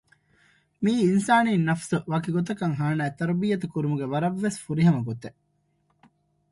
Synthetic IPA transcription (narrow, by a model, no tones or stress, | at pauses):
miːinsaːniːnːɐfsuʋaːkiɡot̪̬ɐkɐŋɦaːnaːet̪ɐɾbijːɐt̪ukuɾumuɡeʋɐɾɐʋːesfuɾiɦɐmɐɡot̪e